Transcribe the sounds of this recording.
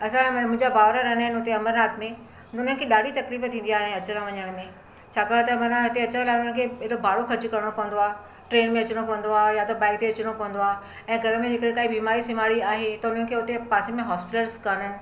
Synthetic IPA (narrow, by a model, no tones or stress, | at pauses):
ɐsãmʊ̃ɦɪ̃ɲd͡ʑabaːʋɾaɾɐɦɪnəɦɪnɪʊt̪eɐməɾnaːt̪mẽ | nʊn̤ənɪ̃̆kʰeɗaːɖʱit̪ɐkliːft̪ʰĩːn̆d̪iaːɦɪ̃ẽɐt͡ɕəɾə̃ʋɐɲəɽ̃mẽ | t͡ɕʰaːkaːɽ̃t̪ɐmɐɾnaɦɪt̪eɐt͡ɕɾə̃laːʊnənɪkʰeːɪɽobʱaːɽokʰɐɾd͡ʑkɐɾɽ̃opɐʋə̃nd̪oaː | ʈɾeːnmẽɐt͡ɕɽ̃opɐʋə̃nd̪oaːjat̪ɐbãːɪk̚t̪eɐt͡ɕɪɽ̃opɐʋə̃nd̪oaː | ɛ̃ːɡʱɐɾəmẽd͡ʑeːkəɗẽkaːɦibiːmaːɾisɪmaːɽiaːɦet̪ɐʊnənɪkʰeːʊt̪epaːsemẽɦaːspɪʈəlskɐnnɪ̆